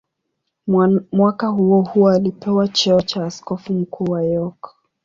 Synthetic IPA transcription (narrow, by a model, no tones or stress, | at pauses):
mwakahuɔhuɔalipɛwat͡ʃɛɔt͡ʃaːskɔfum̩kuːwajɔk